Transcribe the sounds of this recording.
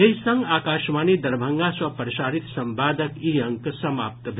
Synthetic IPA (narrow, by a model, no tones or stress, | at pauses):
eɦisə̃ŋɡaːkaːʃmaːnid̪ɐɾbʱə̃ŋɡaswɐpɾɐʃaːɾit̪sɐ̃mbaːd̪əkiɐ̃ŋksɐmaːp̚t̪bʱ